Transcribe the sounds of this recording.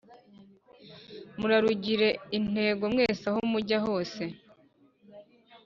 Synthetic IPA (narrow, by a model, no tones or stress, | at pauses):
muɾaɾuɟiɾe̞in̥e̞ːɡo̞mŋe̞ːsahumuɟaɦoːse̞